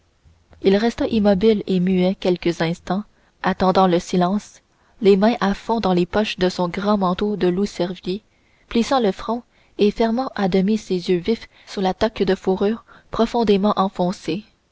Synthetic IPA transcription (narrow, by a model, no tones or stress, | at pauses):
ilʁɛst̪aʔimɔbilemyɛkʲɛlkəzɛ̃st̪ɑ̃ | at̪ɑ̃d̪ɑ̃ləsilɑ̃s | lemɛ̃ʔafɔ̃d̪ɑ̃lepɔʃd̪əsɔ̃ɡʁɑ̃mɑ̃t̪od̪əlusɛʁvje | plisɑ̃ləfχɔ̃ | efɛʁmɑ̃ʔad̪əmisezjøvif | suʁlat̪akd̪əfuʁyːʁpχɔfɔ̃d̪emɑ̃ʔɑ̃fɔ̃se